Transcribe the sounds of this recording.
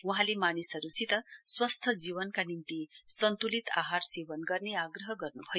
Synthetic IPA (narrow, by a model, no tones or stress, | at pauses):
uɦãlemanisəɾusit̪əswəst̪ʰəd͡ziʋənkanint̪isənt̪ulit̪ʰaɦaɾseʋənɡəɾneaɡɾəɦəɡəɾnuɦo